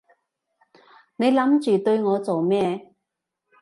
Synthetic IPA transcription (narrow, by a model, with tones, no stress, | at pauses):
ne˨˧jlɐ˨˥mt͡ʃyː˨˩t̪ɵ˧ɥŋɔː˨˧t͡so˨wmɛː˥˧